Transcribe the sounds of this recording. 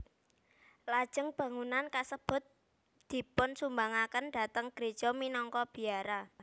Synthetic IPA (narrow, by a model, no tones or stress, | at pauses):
lad̥ʒ̥ə̤ŋb̥ä̤ŋunankasəb̥ʊ̤t̪̚ | d̪̥i̤pʊnsumbaŋakənd̥a̤t̪əŋɡ̥ɾed̥ʒ̥ɔminɔŋkɔb̥i̤aɾa